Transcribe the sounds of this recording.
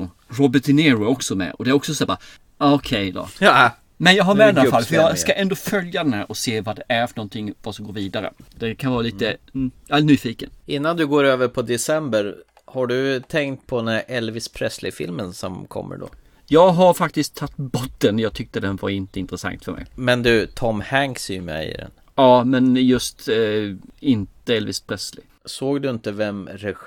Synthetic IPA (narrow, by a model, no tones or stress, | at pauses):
ɾɔbəʈɪneːɾʊɔksɔmɛ̰ɔd̪ɛæɾɔksɔsæːba̰ | aɔkʰɛjd̪ɑ̰ | mɛnjɑːɡɦaɾmɛdd̪ɛnalafalːfœɾjɑskaʔɛnd̪oːfœljad̪ɛnhæ̰ːɾʔɔseːvad̪ɛʔæɾfœnɔnt̪ʰɪŋːvasɔmɡoːɾviːd̪aɾə̰d̪̥ɛkʰanvɑːɾaliːt̪əanyːfiːkənɪnːand̪ɵɡoːɾøːvəɾpʰɔd̪ɛsɛmbəɾ | haɖɵt̪ʰɛŋkt̪̚pʰɔd̪ɛnæɾʔɛlvɪspʰɾɛsːlɪfɪ̰lmənsɔmkʰɔ̰mːə̰ɖɔ̰ | jɑːɡɦaɾfak̚t̪ɪskt̪ʰːat̪ːbɔt̪ːənjɑːɡ̚t̪ʰʏk̚t̪əd̪ɛnvaɾɪnt̪əɪnt̪ɾəsa̰ŋt̪fœɾmɛ̰jmɛnd̪ɵt̪ʰɔmːhæŋksmɛ̰ɪ̰d̪ɛ̰n | ɑːmɛnjɵst̪ | ɪnt̪əɛlvɪspʰɾɛsːlɪ̰ | soːɡd̪ɵɪnt̪əvɛmɾɛ